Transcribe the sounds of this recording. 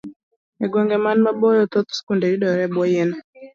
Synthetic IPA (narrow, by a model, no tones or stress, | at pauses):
ɛɡwɔŋɡɛmanmabɔjɔt̪ɔt̪skundeɾiɗɔɾɛbwɔjɛnɛ